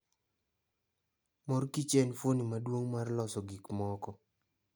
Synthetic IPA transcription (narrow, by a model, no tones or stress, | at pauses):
mɔrkit͡ʃɛnfonimadwoŋmarlɔsɔɡikmɔkɔ